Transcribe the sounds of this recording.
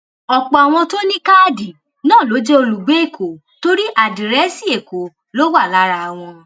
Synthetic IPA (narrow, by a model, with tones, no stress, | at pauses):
ɔ˧k͡pɔ˨a˨w̃ɔ̃˧to˦nĩ˦ka˦˨di˨ | nãː˦˨lo˨˦d͡ʒe˦o˧lu˨ɡ͡be˨˦e˦˨kʰo˨ | to˦ɾi˦ʔa˨dĩ˨ɾɛ˨˦si˦˨e˨ko˨ | lo˦wa˦˨la˨˦ɾa˧˨w̃ɔ̃˧